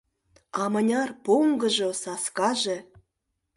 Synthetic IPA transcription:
ɑmɤ̆nʲɑrpoŋɡɤ̆ʒosɑskɑʒĕ

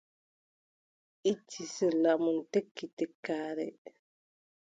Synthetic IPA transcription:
ʔit͡ʃːisɛlamuntekːitɛkːaːɾɛ̰

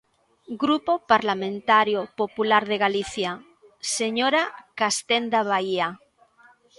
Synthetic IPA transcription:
ɡɾupopaɾlamẽnt̪aɾjopopulaɾðeɣaliθja | seɲoɾakast̪end̪aβ̞aia

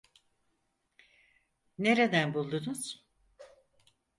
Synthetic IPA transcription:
ne̞ɾed̪ænbulˠd̪unuz̥

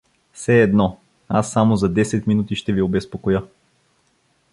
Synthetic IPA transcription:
fsɛːd̪nɔ | asːamozɐd̪ɛsɛt̪minut̪iʃt̪ɛviobɛspokojɤ

